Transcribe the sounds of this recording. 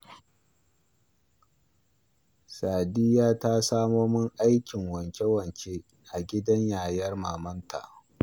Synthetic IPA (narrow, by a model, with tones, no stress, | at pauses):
saː˨dɪ˦jaː˦ta˦saː˦moː˦mɪ˦ŋʔa˦jkʲɪ˨ŋwɐ˨ŋkʲe˦wɐ˨ŋkʲe˦ | ʔa˨ɡʲɪ˦dɐ˦ɲjaː˨jɐ˦rmaː˨mɐ˦ntʰa̰˨ʔ